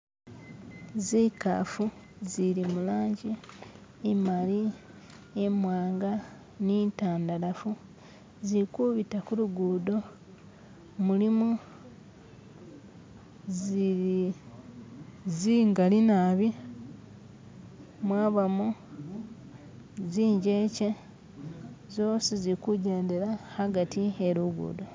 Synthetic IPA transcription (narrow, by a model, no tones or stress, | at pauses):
zika̰fu | zilimulaːɲɟiː | mali | emwaːŋɡa | nintaːndalafu | zikuβitakuluɡuːdo̞ | mulimu | zii | ziŋɡalinaβi | mwaːβamo | ziːɲɟe̞ce | zoːsizikuɟe̞ːndeɾahaɡatieɾuɡṵːdo